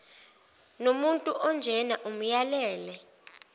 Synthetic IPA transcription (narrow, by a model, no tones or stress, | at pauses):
nomuntʼuʔɔnd͡ʒʱɛnaʔum̩jalɛːlɛ